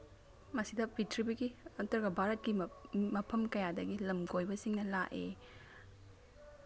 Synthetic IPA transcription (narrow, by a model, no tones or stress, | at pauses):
mɐsidɐpitʰɾibɐɡiɐtɐɾɡɐbʱaɾɐt̚kimɐpʰɐmkɐjadɐɡilɐmkojbɐsiŋnɐlaʔḛ